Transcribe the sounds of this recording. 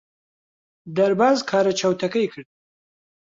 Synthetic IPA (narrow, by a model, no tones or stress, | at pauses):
d̪aɾbɑːzkʰɑːɾat͡ʃawt̪akajkʰəɽ